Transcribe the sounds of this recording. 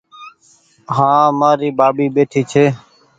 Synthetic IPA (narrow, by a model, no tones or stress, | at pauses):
ɦãːmaːɾiːbaːɓiːɓeːʈʰiːt͡ʃʰeː